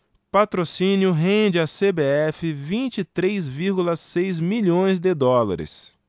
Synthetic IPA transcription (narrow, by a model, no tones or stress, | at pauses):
pat̪ɾosĩnjʊɦẽd͡ʒɪasebeɛfɪvĩnt͡ʃit̪ɾejzviɾɡulɐsejzmiʎõj̃zd̪ɪd̪ɔla̰ɾɪ̰s